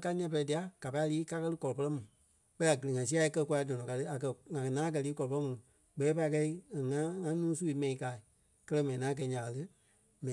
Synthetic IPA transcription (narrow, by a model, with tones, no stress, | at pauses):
ka˧˦ɲɛ̃˧p̬ɛ˧lɛ˧di˨a˨˦ɡ̥a˨pa˧˦i˦˧liː˦ka˦kɜ˦˧lɨ˦kɔ˨lɔ˨pə˧lɜ˦mũ˨ | ɓɛ˦i˦a˨ɡə˨lŋã˨s̬i˦a˧i˧kɜ˧ku˧a˧i˦dɔ̃˨nɔ̃˨ka˧tɨ˧˦a˨kɜ˧ŋã˨kɛ˨nãː˦k̬ɜ˧liː˦kɔ˨ɔ˨pmũ˨ | ɡ͡bɛː˨˦pa˧i˧kɛ˧i˦˨ŋã˦ŋã˦nũː˦su˦i˧˦mɛ̃˧ĩ˨˦kaː˨i˨ | kɜ˦lɜ˧˦mɛ̃˨ĩ˨ŋãː˨˦k̬ɛ˧˨˦ɲã˨a˨lɨ˦ | mɛ̃˨